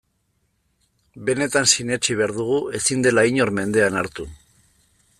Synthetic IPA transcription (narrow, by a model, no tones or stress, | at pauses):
be̞ne̞t̪ansine̞t͡ʃiβ̞e̞aɾðuɣ̞ue̞sind̪e̞laiɲo̞ɾme̞nd̪e̞anaɾt̪u